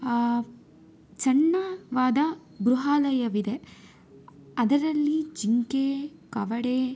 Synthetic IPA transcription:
t͡ʃɐɳːɐʋaːd̪ɐ | bɾuɦaːlɐjɐʋid̪e̞ | ɐd̪ɐɾɐlːit͡ʃiŋkekɐʋɐɽe

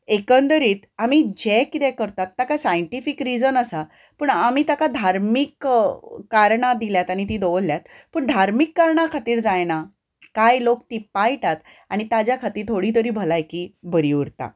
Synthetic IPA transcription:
ekənd̪əɾiːt̪am̤iːd͡ʑekːit̪ɛkəɾt̪at̪ːakasajəɳʈifikɾid͡zənəsa | pəːɳamiːt̪akad̪ʱaɾmik | kaɾɳad̪iljat̪aɽ̃it̪̬iːd̪oʋəlːjat̪̚ | pəːɳd̪ʱaɾmikːaɾɳakʰat̪iːɾd͡zajna | kajlok̚t̪iːpajʈat̪ | aɽ̃it̪ad͡ʑjakʰat̪iːɾt̪ʰoɽiːt̪̬əɾiːbʱəlajkiːbʱəɾiuɾt̪a̰

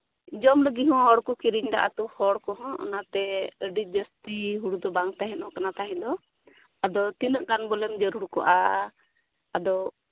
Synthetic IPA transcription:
d͡ʒɔmləɡiɦɔ̃ɦɔɽkɔkiɾiɲɖa̰ʔa̰t̪uhɔɽkɔɦɔ̃ʔɔ̰nat̪ɛəɖid͡ʒəst̪iɦuɽud̪ɔbaŋt̪aɦɛnɔ̃kanat̪aɦɛ̃nd̪ɔ | ad̪ɔt̪inəʔɡanbɔlɛmd͡ʒəɾuɽkɔ̰ʔa | ad̪ɔ

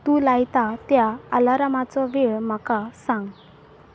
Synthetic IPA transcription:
t̪ulajt̪at̪jaalaɾamat͡sɔʋeɭm̤akasãŋɡ

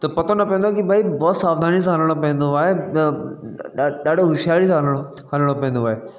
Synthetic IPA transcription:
t̪ɐpɐt̪ʰonɐpẽə̃nd̪aːkibʱaːibɔːt̪saːfd̪ʱaːnis̬ãɦəlɽ̃op̬ɐ̃ẽnd̪oaːe | ɗaːɖʱoɦʊʃjaːlisãːɦələɽ̃o | hɐləɽ̃opẽːnd̪oaːɦe

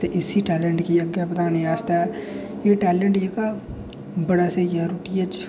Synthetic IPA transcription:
t̪eʔɪsiːʈɛːləɳʈkiːəɡːeːpət̪aːnijaːst̪aɛːjeːʈɛːlə̃ɳʈjeːkaː | bəɽaːseːjaːɾuːʈiɛd͡ʒ

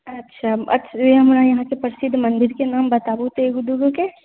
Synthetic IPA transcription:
ɐtːʃʰaɐ̰tːʃʰeɦɐmɾajɐɦãkepəɾɪsɪd̪ʱːmɐ̃nd̪ɪɾkenaːmbɐt̪aːbut̪eːɡud̪uɡuke

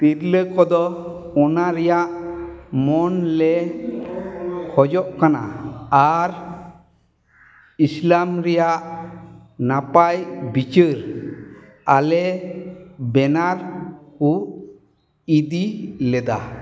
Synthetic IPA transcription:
t̪iɾləkɔd̪ɔ | ɔnaɾɛjaʔmɔnlɛ | kʰɔd͡ʒɔʔkana̰aɾ | islamɾɛjaʔ | napajbit͡ʃəɾ | alɛ | bɛnaɾku | id̪ilɛd̪a̰

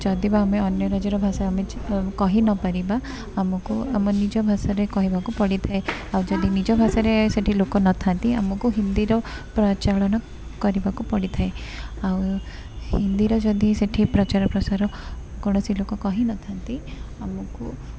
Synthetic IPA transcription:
d͡ʒɔd̪ibaːmeɔnjɔɾad͡ʒɔɾɔbʱasɔamekɔɦinɔpaɾibaː | mɔkuamɔnid͡ʒɔbʱasɔɾekɔɦibakupɔɽit̪ʰaeawd͡ʒɔd̪inid͡ʒɔbʱasɔɾeseʈʰilokɔnɔt̪ʰant̪iamɔkuɦind̪iɾɔ | pɾɔt͡ʃaɭɔñɔ | kɔɾibakupɔɽit̪ʰaeaw | hind̪iɾɔd͡ʒɔd̪iseʈʰipɾɔt͡ʃaɾɔpɾɔsaɾɔ | kɔɽ̃ɔsilokɔkɔɦinɔt̪ʰant̪iamɔku

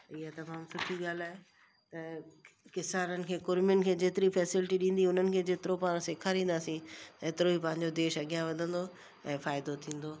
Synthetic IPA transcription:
ɪɦat̪ɐmaːmsɪkʰiɠaːlaːɦe | t̪ɐkɪsaːɾənɪ̆kʰeːkʊɾmɪjʊnɪ̆kʰeːd͡ʑeːt̪ɪɾifɛːsɪlɪʈiɗĩːn̆d̪iʊn̤ənɪ̆kʰeːd͡ʑeːt̪ɪɾopaːɽ̃seːkʰaɾĩːn̆d̪aːsĩt̪ɐeːt̪ɪɾoipɐ̃ɦɪ̃ɲ̆d͡ʑod̪eːʃɐɠjãʋɐd̪ʱə̃nd̪o | ɛ̃ːfaːɪd̪ot̪ʰĩːn̆d̪oː

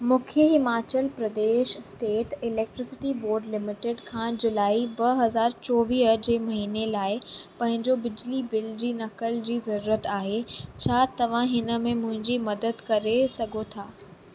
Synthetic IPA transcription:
mʊ̃kʰjəɦɪmaːt͡ɕəlpɾɐd̪eːʃsʈeːʈɪlɛːk̚ʈɾɪsɪʈiboːɾɖlɪmɪʈɪɖkʰãːd͡ʑʊlaːibɐɦɐzaːɾt͡ɕɔːʋiːɦd͡ʑeːmɐɦiːnelaːɪpɐ̃ɦɪ̃ɲd͡ʑobɪd͡ʑlibɪld͡ʑiːnɐkəld͡ʑiːzɐɾuːɾət̪aːɦet͡ɕʰaːt̪ɐʋ̤ãɦɪnə̆mẽmʊ̃ɦɪ̃ɲd͡ʑimɐd̪əd̪kɐɾesɐɡʱot̪ʰaː

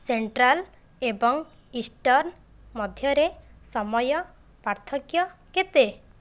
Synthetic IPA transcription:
seɳʈɾal | ebɔŋ | isʈɔɾn | mɔd̪ʱjɔɾesɔmɔjɔ | paɾt̪ʰɔkjɔket̪e

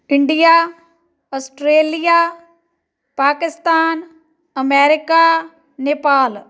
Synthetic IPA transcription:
ɪɳɖijaː | ɐsʈɾeːlija | paːkɪst̪aːn | ɐmeːɾɪka | neːpaːl

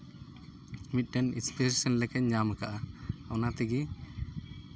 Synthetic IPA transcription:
mit̪̚ˀɖɛnispesisənlɛkɛɲɲamɛkaʔaɔnat̪ɛɡi

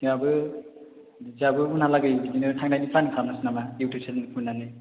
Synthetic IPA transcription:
zabɯ | zabɯunalaɡɯjbidinɯtʰaŋdajnipʰanikʰalnasnamajiwtʰusʰeninipʰunale

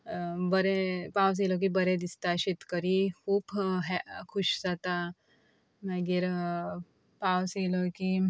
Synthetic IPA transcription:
bəɾepaws̬elɔk̬ibəɾɛd̪ist̪aɕit̪kəɾikʰuːbɦɛkʰuɕd͡zat̪a | mɛɡiɾ | pawselɔki

